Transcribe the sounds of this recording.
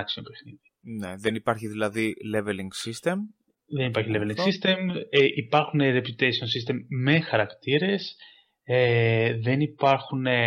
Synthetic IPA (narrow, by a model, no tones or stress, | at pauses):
ksiompexniðineðenipɐɾçiðilɐðileveliŋɡsist̪e̞m | ðe̞nipɐɾçileveliŋɡsist̪e̞meʔipɐɾxune̞ɾe̞pjut̪esionsist̪e̞mme̞xɐɾɐkt̪iɾe̞s | eðe̞nipɐɾxune̞